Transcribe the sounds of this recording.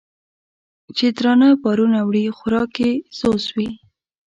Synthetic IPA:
t͡ʃed̪ɾɑnabɑɾunawɽixʊɾɑkez̥oswi

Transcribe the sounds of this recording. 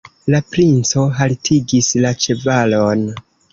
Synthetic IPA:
lapɾint͡so̞ɦaltʰiɡislat͡ʃe̞valon

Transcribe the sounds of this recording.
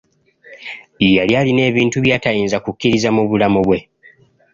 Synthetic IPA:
ijaljaːline̞ːβiːntuβjaːtajiːnzakukːiɾizamuβulamuβwe̞

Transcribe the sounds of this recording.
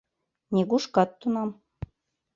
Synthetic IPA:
nʲeɡuʃkɑt̪ːunɑm

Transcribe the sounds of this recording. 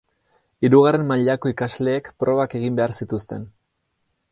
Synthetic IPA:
iɾuɣare̞mmaʎako̞ikazle̞ːkpɾo̞βake̞ɣimbe̞aɾsit̪ust̪e̞n

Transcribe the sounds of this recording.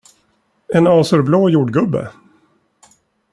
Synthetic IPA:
ɛnɑːsœɾbloːjuːɖɡɵbːə̰

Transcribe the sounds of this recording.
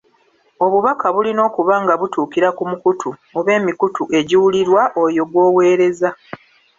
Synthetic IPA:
o̞βuβakaβulino̞ːkuβaŋɡaβutuːkiɾakumukutʰuoβe̞ːmikutuʔe̞ɟiwuliɾwaʔojo̞ɡwo̞ːwe̞ːɾe̞za

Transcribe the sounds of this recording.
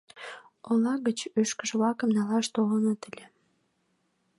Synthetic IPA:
olɑɣət͡ɕyʃkə̆ʒə̆βlɑkə̆mnɑlɑʃt̪olənət̪əlʲe

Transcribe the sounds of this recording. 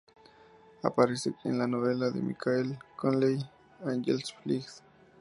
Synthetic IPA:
a̰paɾesekʼḭnlanoβelaðḛmḭkʰaelkonlej | anʝelsflixs

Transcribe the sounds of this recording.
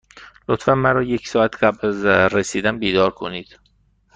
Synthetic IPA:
lot̪fænmæɾɒːjecʰsɒːæt̪ʰɢæblæzɾesiːd̪ænbiːd̪ɒːɾkʰo̞niːd̪̥

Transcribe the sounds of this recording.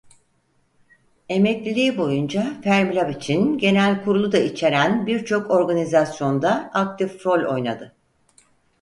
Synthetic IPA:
e̞mɛclʲilʲiːbo̞jund͡ʒafæɾmilʲabit͡ʃʰinɟe̞nælʲkʰuɾulˠud̪ait͡ʃʰe̞ɾænbiɾt͡ʃʰo̞ko̞ɾɡanizasjo̞nd̪aak̚t̪ʰifɾo̞lʲo̞̰jna̰d̪ɯ

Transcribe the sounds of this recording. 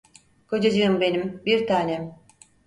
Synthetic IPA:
kʰo̞d͡ʒad͡ʒɯɯmbe̞nimbiɾt̪ʰaːnɛ

